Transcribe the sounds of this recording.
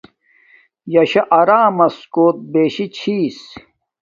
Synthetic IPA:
jɐɕɐʔɐɾaːmɐskoːt̪̚beːɕit͡ɕʰiːs

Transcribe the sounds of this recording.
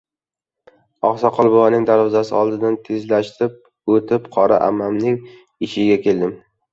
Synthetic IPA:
ɒχsɒqʰɒlˠbɒwanɪŋd̪aɾvɒzasɪɒlˠd̪ɪd̪ant̪ʰe̞zlaʃt̪ɾɪp̚ | ot̪ʰɪpqʰɒɾa̰ʔa̰mːamnɪŋ | ɪʃɪɡʲakʲʰe̞ld̪ɪm

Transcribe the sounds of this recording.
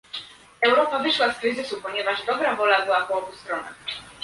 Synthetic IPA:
ɛwɾɔpavɘʂwaskɾɘzɘsupɔɲɛvaʐd̪ɔbɾavɔlabɘwapɔɔbust̪ɾɔna̰

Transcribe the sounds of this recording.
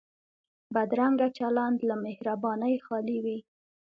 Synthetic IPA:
bad̪ɾaŋɡat͡ʃaland̪lamɪhɾabɑnəjxɑliwi

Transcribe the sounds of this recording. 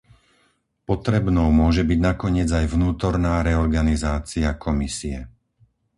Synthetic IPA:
pɔt̪ɾɛbnɔʊmʊɔʒɛbiɟnakɔɲɪɛd͡zajvnuːt̪ɔɾnaːɾɛɔɾɡanizaːt͡siakʰɔmisiɛ

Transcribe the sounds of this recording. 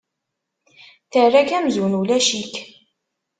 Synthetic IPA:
θərːækæmzunulæʃik

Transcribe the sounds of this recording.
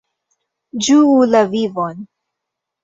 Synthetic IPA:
d͡ʒuulavivon

